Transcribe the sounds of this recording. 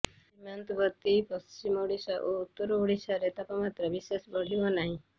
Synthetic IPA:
imant̪bɔt̪ːipɔst͡ʃimoɽisaʔout̪ːɔɾɔoɽisaɾet̪apamat̪ɾɔbisesbɔɽ̤ibɔnaɦĩ

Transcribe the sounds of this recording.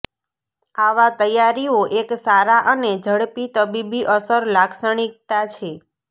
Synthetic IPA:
aʋat̪əjaɾioʔeksaɾaʔəned͡ʒʱəɽpit̪əbibiʔəsəɾlaksəɳ̃ik̚t̪at͡ʃʰe

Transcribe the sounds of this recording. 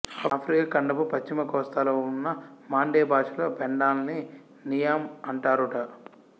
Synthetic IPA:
apʰɾikɐkɐɳɖɐpupɐt͡ʃt͡ʃːimɐkɔːst̪aloːunːɐmaːɳɖeːbaːʂɐlo̞ːpeɳɖaːlni | nijamɐɳʈaːɾuʈɐ

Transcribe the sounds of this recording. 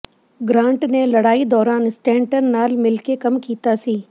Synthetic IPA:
ɡɾãːɳʈnelɐɽaːid̪ɔːɾaːnɪsʈẽːɳʈəɾnaːlmɪlkekɐmkiːt̪asiː

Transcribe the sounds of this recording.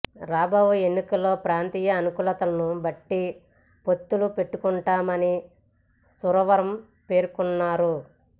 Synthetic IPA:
ɾaːbʱɐʋue̞nːikɐlːo̞ːpɾaːnt̪iːjɐːnukuːlɐt̪ɐlɐnubɐʈːi | po̞t̪ːulupe̞ʈːukuɳʈaːmɐni | suɾɐʋɐɾɐm | pe̞ːɾukunːaːɾu

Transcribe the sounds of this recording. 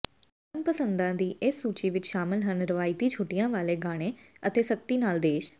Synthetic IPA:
ənpəsənd̪ãːd̪iːʔɪsːuːt͡ʃiːʋɪt͡ʃʃaːmɪlɦənɾəʋaːɪt̪iːt͡ʃʰoːʈijãːʋaːleːɡaːɽ̃ẽːət̪eːsək̚t̪iːnaːld̪eːʃ

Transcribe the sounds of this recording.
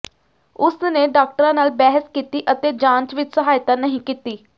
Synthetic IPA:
ʊsneːɖaːk̚ʈəɾãːnaːlbɛːɦəskiːt̪iːʔət̪eːd͡ʒãːnt͡ʃʋɪt͡ʃsəɦaːjt̪aːnəɦĩːkiːt̪iː

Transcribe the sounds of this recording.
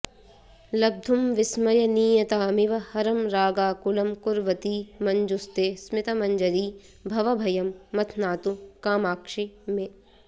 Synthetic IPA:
lɐb̚d̪ʱumʋɪsmɐjɐniːjɐt̪aːmiʋɐhɐɾɐmɾaːɡaːkulɐmkuɾʋɐt̪iːmɐɲd͡ʒust̪eːsmɪt̪ɐmɐɲd͡ʒɐɾiː | bʱɐʋɐbʱɐjɐmːɐt̪ʰnaːt̪ukaːmaːkʂime

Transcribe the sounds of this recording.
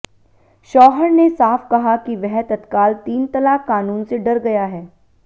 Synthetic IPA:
ʃɔːɦəɾnesaːfkɐɦakiʋɛɦɛt̪ɐt̪kaːlt̪iːnt̪ɐlaːkːaːnuːnseɖɐɾɡɐjaɦɛː

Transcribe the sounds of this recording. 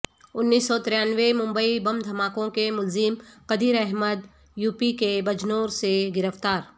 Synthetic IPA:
ʊnːiːsːɔt̪ɪɾjaːnʋemʊ̃mbəibɐmd̪ʱɐmaːkõkemʊlzimqɐd̪iːɾɛɦməd̪ | juːpikebɐd͡ʒnoːɾseɡɪɾəft̪aːɾ

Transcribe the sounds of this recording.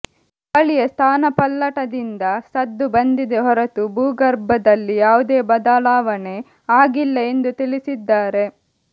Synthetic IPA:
pɐɭijɐst̪ʰaːnɐpɐlːɐʈɐd̪ind̪ɐsɐd̪ːubɐnd̪id̪eɦɔɾɐt̪ubuːɡɐɾbɐd̪ɐlːijaːʋud̪eːbɐd̪alaːʋɐne̞ | aːɡilːɐe̞nd̪ut̪ilisid̪ːaːɾe̞

